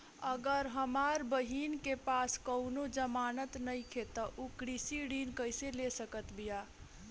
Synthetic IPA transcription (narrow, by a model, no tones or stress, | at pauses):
əɡəɾɦəmaːɾbəɦiːnkepaːskəʊnod͡ʒəmaːnət̪nəĩkʰet̪əʔukɾisiɽiːnkəɪselesəkət̪bijaː